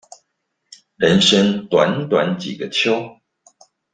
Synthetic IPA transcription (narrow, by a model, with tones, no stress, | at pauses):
ɻə˧˦nʂə˦ŋt̪wa˧˥nt̪wa˧˦nt͡ɕḭ˨˩ɡə˦t͡ɕʰjo˥ʊ